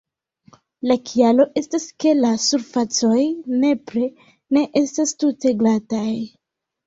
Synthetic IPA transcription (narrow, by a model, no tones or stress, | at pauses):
lakʰialo̞ʔe̞staske̞lasuɾfat͡so̞jne̞pɾe̞ | ne̞ʔe̞stastute̞ɡlataj